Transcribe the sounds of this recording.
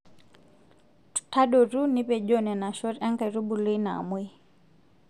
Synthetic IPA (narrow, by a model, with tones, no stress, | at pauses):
tʰa˦ɗɔ˨ɾu˦ni˦pɛ˨d͡ʒɔ˦nɛ˨na˨ʃɔ˦ɾa˦ŋka˨ɾu˦bu˨lɔ˦i˦na̰˨mwɛ˦